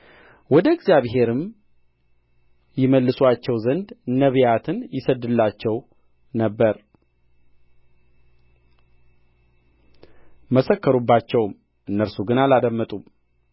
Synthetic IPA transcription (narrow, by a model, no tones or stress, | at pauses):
wɔd̪əɡzjaβɦe̞ɾɨm | jɪməlːɨswat͡ʃːɛwzənd̪nəβjat̪ʰɨnjɪsəd̪ɨlːat͡ʃːɛw | nəbːəɾ | məsəkːəɾubːat͡ʃːɛwm | ʔɨnːəɾsuɡɨnalad̪əmːət̪ʼum